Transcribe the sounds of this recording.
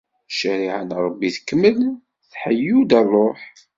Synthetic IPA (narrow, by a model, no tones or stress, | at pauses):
ʃəɾiʕənɾˤəbːiθə̥kːəmːəl | θħəjːud̪ærˤːoħ